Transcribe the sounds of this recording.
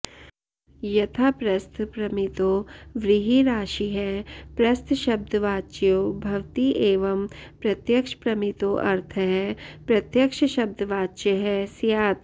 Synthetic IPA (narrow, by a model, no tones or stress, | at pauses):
jɐt̪ʰapɾɐst̪ʰpɾɐmɪt̪oːʋɾɪɦiɾaːʃiɦɛpɾɐst̪ʰʃɐb̚d̪ʱʋaːt͡ʃjoːbʱɐʋt̪iʔeːʋɐmpɾɐt̪jəkʃə̥pɾɐmɪt̪oːʔɐɾt̪ʰəɦɛpɾɐt̪jəkʃəʃɐb̚d̪ʱəʋaːt͡ʃəɦɛsijaːt̪ʰ